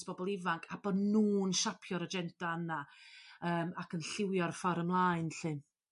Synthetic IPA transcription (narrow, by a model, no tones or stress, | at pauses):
sb̥ɔbɔlˠɪvaŋkʰab̥ɔdnuːnʃapʰjɔɾəd͡ʒɛntaənaəːmakʰənɬɪwjɔrfɔɾəmlˠaːɨnɬɨ